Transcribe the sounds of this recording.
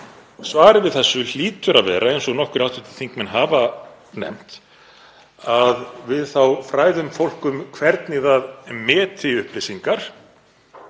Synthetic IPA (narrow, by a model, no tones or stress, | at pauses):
svaːɾɪvɪðθɛsːʏl̥iːt̪ʏɾaðvɛ̰ːɾʔaejnsɔɣnɔhkʏɾawht̪ʏt̪ɪ̥θiŋkmɛnɦaːva | nɛ̰m̥t̪ | aðvɪðθawfɾaːjðʏmfowl̥kʏmkʰvɛɾt̪nɪðaðmɛːt̪ʰɪʏhplɪsiŋkaɾ̥